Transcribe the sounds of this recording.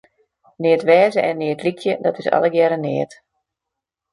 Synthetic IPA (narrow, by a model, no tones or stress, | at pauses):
nɪətʋɛːzəʔɛnːɪːtlikʰjədɔtɪsa̰lˠəɡjɛɾənɪət